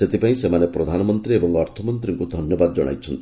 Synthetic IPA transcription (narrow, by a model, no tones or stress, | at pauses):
set̪ipaĩsemanepɾɔd̪ʱanɔmɔnt̪ɾiebɔŋɔɾt̪ʰɔmɔnt̪ɾiŋkud̪ʱɔnjɔbad̪ɔd͡ʒɔɽ̃a̰jt͡ʃʰɔnt̪i